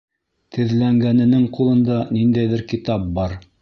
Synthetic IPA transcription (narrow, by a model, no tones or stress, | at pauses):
t̪ʰɘ̆ðlæŋɡænɘ̆nɘŋqulˠɤ̆nd̪ɑnind̪æjðɘɾkit̪ɑp̚bɑɾ